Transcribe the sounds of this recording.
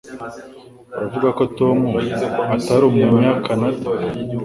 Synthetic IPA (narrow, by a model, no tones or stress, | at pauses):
aɾavuɡako̞to̞muataɾomuɲakanata